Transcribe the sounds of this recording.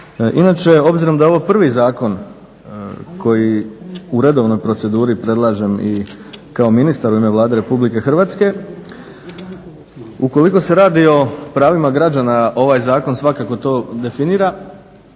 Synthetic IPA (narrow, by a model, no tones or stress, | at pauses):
ʔinat͡ʃe̞o̞bziɾo̞md̪ao̞ʋopr̩ʋizaːko̞n | ko̞jiuɾe̞d̪o̞ːʋno̞jpɾo̞t̪se̞d̪uːɾipɾe̞d̪lˠaːʒe̞mi | kao̞minist̪aɾuime̞ʋlˠaːd̪e̞ɾe̞publike̞xr̩ʋaːt̪ske̞ | uko̞liko̞se̞ɾaːd̪io̞pɾaːʋimaɡɾad͡ʒanaʔo̞ʋaːjzaːko̞nsʋakako̞t̪o̞ːd̪e̞finiːɾa